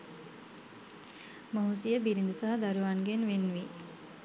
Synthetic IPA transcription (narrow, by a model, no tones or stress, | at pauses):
moɦusijəbiɾind̪usaɦad̪aɾuʋanɡenʋenːʋi